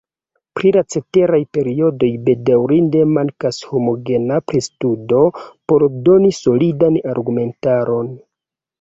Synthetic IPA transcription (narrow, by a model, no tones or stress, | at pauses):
pɾilat͡se̞te̞ɾajpe̞ɾio̞do̞jbe̞dawɾinde̞maŋkasho̞mo̞ɡe̞napɾistudo̞po̞ɾdo̞niso̞lidanaɾɡume̞ntaɾo̞n